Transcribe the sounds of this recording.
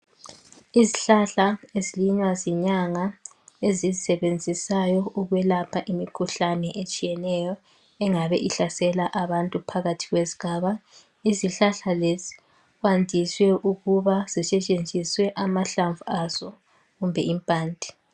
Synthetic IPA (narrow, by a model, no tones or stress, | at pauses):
iziɬaɬaeziliɲwazɛɲaŋa | ezizisɛβend͡zʱisajɔuɣwɛlapʰaʔimikʰuɬanɛʔet͡ʃʼijɛnɛjɔ | ɛŋaβɛʔiɬasɛlaʔaβantʼupʰaɣatʰiɣwezi̥ɣ̥ʱaːβa | iziɬaɬalezi̥ | ɣwandʱiswɛʔuɣuβaz̥isɛt͡ʃʼend͡zʱiswɛʔamaɬaɱvuaz̥ɔ | ɣumbʱɛimpʼaːndʱi̥